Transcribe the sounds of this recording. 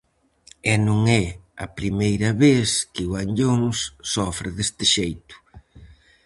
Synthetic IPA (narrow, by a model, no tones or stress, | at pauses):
ɛnũŋɛɐ̰pɾimejɾɐβeskɪwaɲʎonsːɔfɾɪðest̪ɪʃejt̪ʊ̥